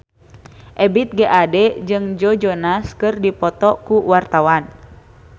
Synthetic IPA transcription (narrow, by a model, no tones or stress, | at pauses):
ʔɛbit̪̚ɡeʔadɛd͡ʒɨŋd͡ʒɔd͡ʒɔnaskɨrdipɔt̪ɔkuwart̪awan